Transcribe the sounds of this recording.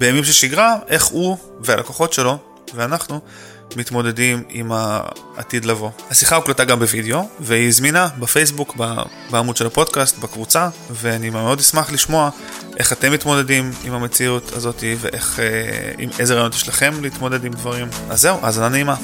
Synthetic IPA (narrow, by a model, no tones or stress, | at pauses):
beemimʃeʃiɡʁaʔe̞χu | vea̰lakoχo̞tʃe̞lo̞ | veanaχnu | mit̪mo̞de̞dimḭma̰ː | tid̪lavo̞hasiχauklataɡambevideo̞veizminabafe̞js̬bukba̰ | baːmudʃe̞lapo̞dkast̪bakvut͡saveanimameo̞dismaχliʃmo̞a | ʔe̞χat̪e̞mːit̪mo̞de̞dimimhame̞t͡siutʰa̰zo̞tiveʔe̞χeḭmejzeʁajonot̪jeʃlaχe̞mleit̪mo̞de̞dimdvaʁima̰zːe̞uʔazananeima